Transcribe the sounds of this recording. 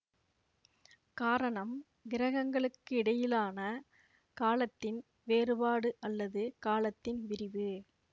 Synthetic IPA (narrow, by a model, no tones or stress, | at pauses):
kaːɾɐɳɐm | ɡɪɾɐɣɐŋɡɐɭɯkːɯɪɽɐjɪlaːnɐ | kaːlɐt̪ːɪn | ʋeːɾɯbaːɽɯʔɐlːɐðɯkaːlɐt̪ːɪnʋɪɾɪʋɯ